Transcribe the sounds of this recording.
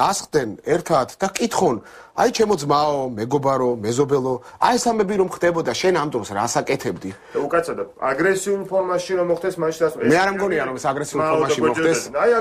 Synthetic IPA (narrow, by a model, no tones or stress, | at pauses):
asχd̪ɛnɛɾt̪ʰat̪ʰd̪akʼit̪ʰχɔn | ajt͡ʃʰɛmɔd̪zmaɔmɛɡɔbaɾɔmɛzɔbɛlˠɔa̰ɛsambɛbiɾɔmχd̪ɛbɔd̪aʃɛnamt̪ʼɔmsɾasakʼɛt̪ʰɛbd̪i | d̪aukʼat̪sʰad̪aa̰ɡɾɛsiulˠpʰɔɾmaʃiɾɔmɔχd̪ɛsmaʃasmɛaɾamɡɔniaɾɔmɛsaɡɾɛsiulˠpʰɔɾmaʃimɔmɔχd̪ɛs